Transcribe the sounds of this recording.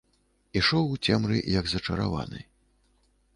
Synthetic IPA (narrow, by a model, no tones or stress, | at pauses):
iʂɔwt͡sʲɛmɾɨ̰jɐɡzɐt͡ʂɐɾa̰va̰nɨ̰